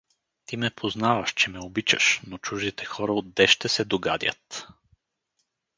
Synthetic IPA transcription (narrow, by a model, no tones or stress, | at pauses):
t̪imɛpʰoznavəʃt͡ʃɛmɛobit͡ʃə̰ʃnot͡ʃuʒd̪it̪ɛxɔɾəod̪ːɛʃt̪ɛsɛd̪oɡa̰d̪ʲjə̰t̪